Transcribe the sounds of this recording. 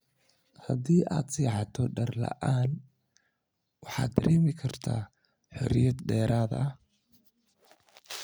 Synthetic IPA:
hɐðiːʔaːd̪siːʕɑt̪ʰɔɖɐrlɐ̰ʔaːn | wɑħɑːd̪d̪ɐɾʔɛːmɪkʰɐrt̪ʰa̰ː | ħɔ̰ɾɪjɐd̪ɖɛːɾaːðɐh

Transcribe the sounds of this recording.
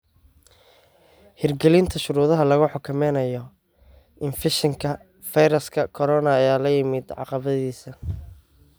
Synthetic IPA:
hɪrɡɛlɪnt̪ʰɐʃʊɾuːðɐɦɐlɐɣʊħɔkʰʊmɛjnɐjɔ | ʔɪnfɪʃɪŋkʰɐ | fɐjɾɐskʰɐkʰɔɾɔnɐːjaːlɐjɪmɪd̪ʕɑ̰qɑβɐðiːsɐ

